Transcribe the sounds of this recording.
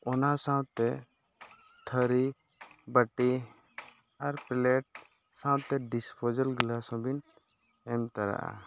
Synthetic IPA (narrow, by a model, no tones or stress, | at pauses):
ɔnasãw̃t̪ɛ | t̪ʰəɾi | bəʈi | aɾpɛlɛʈ̚ | sãwt̪ɛɖispʰod͡ʒəlɡlasɔ̃bin | ɛmt̪aɾa̰ʔa̰